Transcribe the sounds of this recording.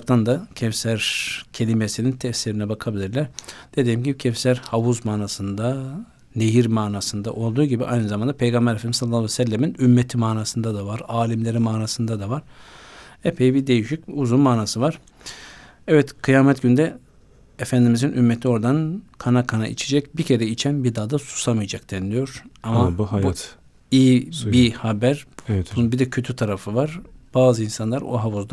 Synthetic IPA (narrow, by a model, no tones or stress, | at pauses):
p̚t̪and̪acʰɛfsæɾcʰe̞lʲimesinint̪ʰɛfsiɾinɛbakʰabilʲiɾlʲæɾd̪̥e̞d̪ijimɟibicʰɛfsæɾhavuzmaːnaːsɯnd̪a | ne̞jiɾmaːnaːsɯnd̪aʔo̞lˠd̪uːɟibiʔajnɯzamand̪apʰe̞jɡanbɛɾefd̪imisalˠːavɛsɛlʲːeminymːet̪ʰimaːnaːsɯnd̪ad̪avaɾaːlʲimlʲe̞ɾimaːnaːsɯnd̪ad̪avaɾ̥ | epʰe̞jibid̪e̞jiʃicuzunmaːnaːsɯvaɾ̥ | ɛvɛt̪kʰɯjaːmɛt̪ɟynd̪ɛ | efænd̪imizinʔymːet̪ʰio̞ɾd̪ankʰanakʰana̰ḭt͡ʃʰed͡ʒɛcbicʰe̞ɾɛit͡ʃʰænbid̪aːd̪asu̥samɯjad͡ʒak̚t̪ænd̪ijo̞ɾ̥amab̪ | iːbihabæɾbid̪ɛcʰøt̪ʰyt̪ʰaɾafɯvaɾb̥aːzɯinsanlˠaɾo̰ɦavuzd̪a